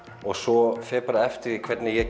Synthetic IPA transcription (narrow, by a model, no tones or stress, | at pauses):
ɔɣsɔfɛːpaɾaɛft̪ɪɾikʰvɛt̪nɪjɛ